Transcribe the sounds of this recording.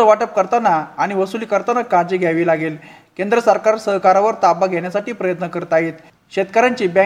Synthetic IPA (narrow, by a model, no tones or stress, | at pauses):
əʋaʈəp̚kəɾt̪anaːɽ̃iʋəsuliːkəɾt̪anakaɾd͡ʑiːɡʱjaʋiːlaɡelkend̪ɾəsəɾkaɾsəɦkaɾaʋəɾt̪apaɡʱeɳjasaʈiːpɾəjət̪nəkəɾət̪aɦiːt̪ | ɕet̪kaɾjaɲt͡ɕiːbã